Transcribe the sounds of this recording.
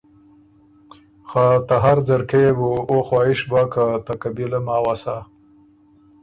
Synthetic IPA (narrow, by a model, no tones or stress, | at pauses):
xat̪aɦaɾzaɾkeebuoxwaːɪʃbakat̪akabilamaːwasa